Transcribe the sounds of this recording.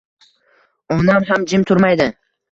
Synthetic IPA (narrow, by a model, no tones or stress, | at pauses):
ɒnamɦamd͡ʒɪmt̪ʰʊɾmajd̪ɪ